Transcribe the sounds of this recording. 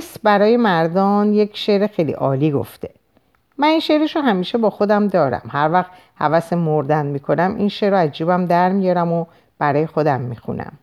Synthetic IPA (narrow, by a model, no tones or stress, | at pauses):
sbæɾɒːje̞mæɾd̪ɒːnjecʰʃeɾexejlḭʔɒːliːɡo̰ft̪ʰe | mæninʃeɾeʃoɦæmiːʃe̞bɒːxod̪æmd̪ɒːɾæ̰mhæɾvæxt̪ | hæ̰væsemːoɾd̪ænd̪miːkʰo̞næmḭnʃeʔɾoæzd͡ʒuːbæmd̪æɾmijɒɾæmo | b̥æɾɒːje̞xo̞d̪æmːixṵnʔæ̰m